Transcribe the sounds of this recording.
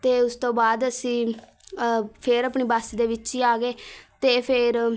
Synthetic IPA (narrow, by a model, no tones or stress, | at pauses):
t̪eːʊst̪õːbaːd̪əsĩː | pʰɪɾapɳiːbaːsiːd̪eːʋɪt͡ʃiːaːɡeːt̪eːpʰɪɾ